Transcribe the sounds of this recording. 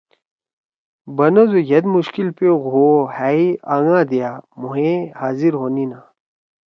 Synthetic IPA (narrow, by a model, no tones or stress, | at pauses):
bɐnɐzojɐd̪muɕkilpeɣoːhaiaŋãːd̪ijamuɦẽhaːziɾɦoːnina